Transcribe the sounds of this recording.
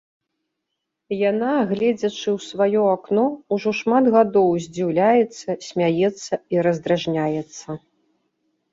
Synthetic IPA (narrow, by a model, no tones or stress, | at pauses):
janaɣlʲɛd͡zʲɐt͡ʂɨwsvajɔaknɔuʐɔʂmad̪ɣad̪ɔwzʲd͡zʲiwlʲajɛt̪sːɐsʲmʲajɛt̪sːɐiɾɐzd̪ɾaʐnʲajɛt̪sːɐ